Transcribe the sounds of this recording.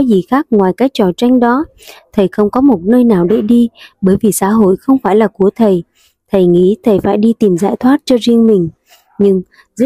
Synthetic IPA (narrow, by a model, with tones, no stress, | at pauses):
ɔ˨˦zi˨˩xaː˦˥k̚ŋwaː˨˩jkaː˨˦˥k̚t͡ɕɔ˨˩t͡ɕa˧jŋ̟ɗɔ˨˦ | t̪ʰə˨˩jxə˧wŋ͡mkɔ˨˦mo˨˩t̚nəː˧jnaː˨˩wɗḛ˧˩ɗi˧ɓəː˧˩jvi˨˩sa̰ː˧˥ɦo̰˧˨jxə˧wŋ͡mfaː˧˩jlaː˨˩ku˧˩ət̪ʰə˨˩j | t̪ʰə˨˩jŋḭ˧˥t̪ʰə˨˩jfaː˧˩jɗi˧t̪i˨˩mzaː˧˩jt̪ʰwaː˦˥t̚t͡ɕɔ˧zi˧ənmï˨˩ŋ̟ | ɲɨ˧ŋ | zɨ̰˧˥